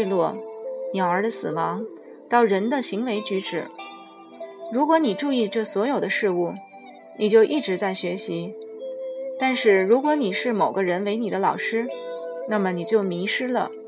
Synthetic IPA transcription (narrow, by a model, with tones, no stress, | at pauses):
lwɔ˥˩njɑ˨˩ʊə˞˧˥d̪ə˧sɹ̩˨˩wɑ˧˥ŋ | t̪ɑ˥˩ʊɻə˧˥nd̪ə˧ɕi˧˥ŋwe˧˥ɪt͡ɕy˧˥ʈ͡ʂɻ̩˨˩˦ | ɻu˧˥kwɔ˧˥ni˨˩ʈ͡ʂu˥˧i˥˧ʈ͡ʂɤ˥˩swɔ˧˥jo˨˩ʊd̪ə˦ʂɻ̩˥˧u˥˩ | ni˨˩t͡ɕjo˥˧ʊʔi˥˩ʈ͡ʂɻ̩˧˥t͡sa˥˩ɪɕɥɛ˧˥ɕi˧˥ | t̪a˥˧nʂɻ̩˥˩ɻu˧˥kwɔ˧˥ni˨˩ʂɻ̩˥˩mo˨˩ʊɡə˦ɻə˧˥nwe˧˥ɪni˨˩d̪ə˦lɑ̰˨˩ʊʂɻ̩˥na˥˩mə˩ni˨˩t͡ɕjo˥˩ʊmi˧˥ʂɻ̩˥lə̰˨